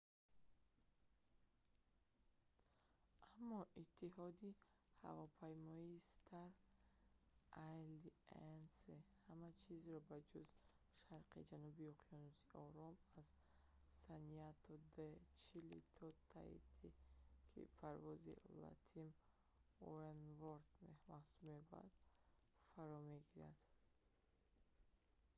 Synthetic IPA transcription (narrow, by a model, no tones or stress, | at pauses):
ʔamːɔʔit̪ʰːiɦɔd̪iha̰vɔpʰajmɔist̪ʰaɾ | ajliensehamat͡ʃʰizɾɔbad͡ʒuz | ʃaɾqḭd͡ʒanubiɔqʰijɔnusiʔɔɾɔmaz | saniat̪ʰɔd̪et͡ʃʰilḭt̪ʰɔt̪ʰa̰ḭt̪ʰikʰḭpʰaɾvɔzḭla̰t̪ʰim | uɾenvɔɾt̪mehmasueba̰ɾd̪̥ | faɾɔmeɡiɾad̪̥